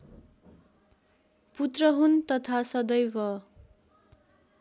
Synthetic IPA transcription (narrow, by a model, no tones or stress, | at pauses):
put̪rʌɦunt̪ʌt̪ʰasʌd̪ʌjbʌ